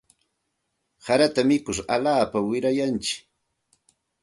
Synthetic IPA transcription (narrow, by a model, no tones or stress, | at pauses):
saɾat̪amɪkʊɾa̰laːpawɪɾajant͡ʃɪ̥k